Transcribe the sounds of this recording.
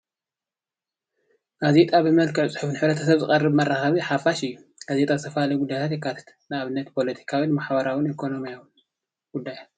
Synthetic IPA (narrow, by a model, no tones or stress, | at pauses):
ɡ̥azet̪ʼabɨmɐlkɨʕt͡sʼɨ̥ħufnħɨβɾɐt̪ʰɐsɐβzɨχʼɐrːɨbmɐrːaxɐβiħafaʃɨjːuɡ̥azet̪ʼazɨt̪ʰɐfɐalɐjɡud̪ːajt̪ʰat̪jekʰːat̪ʰḁt̪ | nɨaβɨnːɐt̪pʰo̞lɐt̪ʰi̥kʰawinmaħbɐɾawʊnikʰo̞no̞mijawn | ɡ̥ud̪ːaj